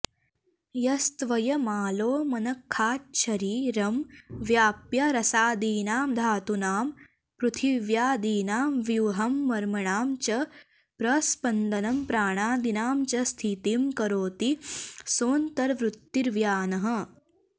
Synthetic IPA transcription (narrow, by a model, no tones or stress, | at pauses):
jɐst̪ʋɐjɐmaːloːmɐnɐkʰːaːt̪̚ʃʰɐɾiːɾɐmʋjaːpjɐɾɐsaːd̪iːnaːmd̪ʱaːt̪unaːm | pɾut̪ʰiʋjaːd̪iːnaːmʋjuːɦɐmːɐɾmɐɳaːmt͡ʃɐ | pɾɐspɐnd̪ɐnɐmpɾaːɳ̃aːd̪inaːmt͡ʃɐst̪ʰit̪imkɐɾoːt̪isoːnt̪ɐɾʋɾut̪ːiɾʋjaːnɐɦɐ̆